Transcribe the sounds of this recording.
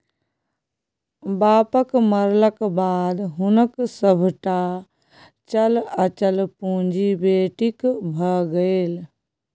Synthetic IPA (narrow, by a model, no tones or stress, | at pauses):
baːpəkməɾləkbaːd̪ɦʊnəksəbʱʈa | t͡ʃələt͡ʃəlpũːd͡ʒibeːʈikbʱəɡəel